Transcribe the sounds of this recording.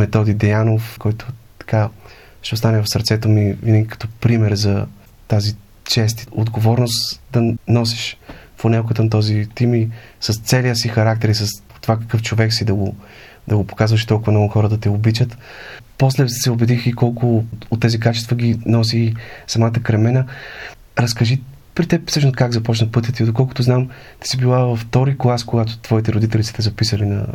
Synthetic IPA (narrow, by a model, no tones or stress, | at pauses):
mɛt̪ɔd̪id̪ɛjanofkɔjt̪ʊ̥t̪ɐ̥ka | ʃɛost̪anɛvɐfsɐɾt̪sɛt̪omivinəɡʲikɐ̥t̪ɔpɾimɛɾzɐ | t̪azi | t͡ʃɛs̬t̪od̪ɡovɔɾnost̪d̪ɐnɔsɛʃfonɛlˠkət̪əmt̪ɔzit̪imisəst̪sɛliəsixɐɾak̚t̪ɛɾisəs | t̪ːovakə̥kɤft͡ʃovɛksid̪ɐɡo | d̪ɐɡopo̥kazvəʃt̪ɔlˠkʊvɐmnɔɡʊxɔɾəd̪ɐt̪ɛobit͡ʃət̪pɔslɛsɛobɛd̪ixikɔlˠkʊot̪ːɛzikat͡ʃɛst̪vəɡʲinɔs̬isɐmat̪əkɾɛmɛnə | ɾɐskɐʒi | pɾit̪ɛpsɤʃnoskaɡzɐpɔt͡ʃnəpɤt̪̬ʲət̪id̪okɔlˠkʊt̪ʊznam | t̪i̥sibilˠavɐft̪ɔɾiklˠaskoɡat̪ʊ̥t̪v̥ɔit̪ɛɾʊd̪it̪ɛlʲisi̥t̪ɛzɐpisəlinɐ̰